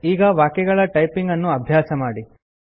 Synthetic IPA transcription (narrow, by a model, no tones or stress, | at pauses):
iːɡɐʋaːkɛɡɐɭɐʈɐjpiŋɡɐnːuɐbʱjaːsɐmaːɽi